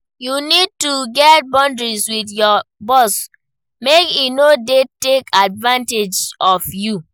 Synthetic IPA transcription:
junid̚tuɡɛt̚bɔ̃ndɹiswiθjɔbɔs | mekinodetekʰadvãnted͡ʒɔfju

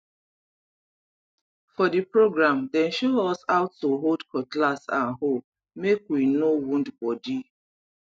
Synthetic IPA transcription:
fɔdipɹoɡɹãmdɛ̃nʃoɔsaʊtːoɦoldkʰɔtlasã̰nɦol | mekwinowũndbɔdi

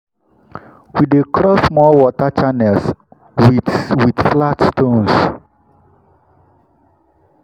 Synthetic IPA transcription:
widekɾɔsmɔwɔtat͡ʃanɛs | widflatstõns

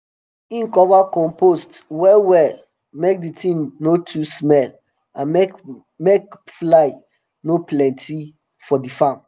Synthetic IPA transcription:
ĩnkɔvakɔ̃mpostwɛwɛl | mek̚ditʰĩŋnotʰusmɛl | ãnmek | mekflaɪ | noplɛ̃ntʰi | fɔdifãm

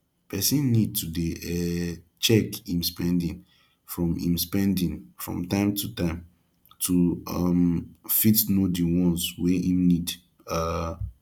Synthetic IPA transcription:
pʰɛsĩnːid̚tudeɛt͡ʃɛkĩmspɛ̃ndĩn | fɹɔ̃mḭ̃mspɛ̃ndĩnfɹɔ̰̃mtãɪ̃mtʰutãɪ̃m | tʰuamfitnodiwɔ̃nsweĩmnid | a

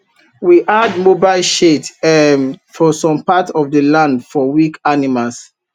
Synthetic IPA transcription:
wiʔadmobaɪlʃetɛmfɔsɔ̃mpatɔfdəlãndfɔwikanimals

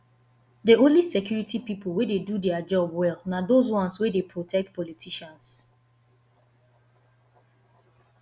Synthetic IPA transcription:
deõnlisɛkjuɹitʰipipolwededudɛad͡ʒɔbwɛlˠnadozwɔ̃nswedepʰɹotʰɛk̚tpɔlitʰiʃãns

